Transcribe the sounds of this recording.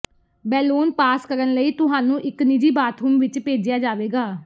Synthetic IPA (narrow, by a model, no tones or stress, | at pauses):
bɛːluːnpaːskəɾənləiːt̪ʊɦaːnũːʔɪknɪd͡ʒiːbaːt̪ɦuːmʋɪt͡ʃpeːd͡ʒɪjaːd͡ʒaːʋeːɡaː